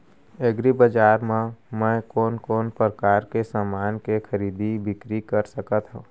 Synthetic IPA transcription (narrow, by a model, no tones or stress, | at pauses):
eɡɾibəd͡ʒaːɾmãmɛ̃koːnkɔːnpɾəkaːɾkesaːmaːnkexʰəɾiːd̪ibɪkɾikəɾsəkət̪ɦõː